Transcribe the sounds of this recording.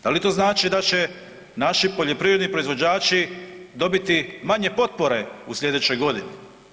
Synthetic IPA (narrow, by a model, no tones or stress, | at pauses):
d̪̥alit̪o̞ːznaːt͡ʃid̪at͡ɕe̞ | naʃipo̞ʎo̞pɾiɾe̞d̪nipɾo̞izʋo̞d͡ʑaːt͡ʃid̪o̞bit̪imaɲe̞po̞t̪̚po̞ɾe̞uslʎʲe̞d̪e̞t͡ɕo̞jɡo̞d̪ine